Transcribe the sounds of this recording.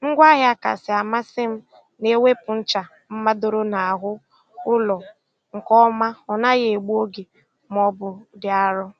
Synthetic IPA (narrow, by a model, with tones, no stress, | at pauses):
ŋ̩˦ɡʷa˦ɣja˦ka̰˨sɪ˨a˨ma˦sɪ˦m̩˦ | ne˦we˦pʊ˨n̩˦t͡ʃa˨ | m̩˦ma˦do˨ɾo˦na˨a˨ɦʊ˦ | ʊ˦lɔ˨ | ŋ̩˨kɔ˦ma˦ɔ˨na˦ɣe˨ɡ͡bu˦o˦ɡe˨ | m˦ɔ˦bʊ˨dɪ˨a˨ɾʊ˦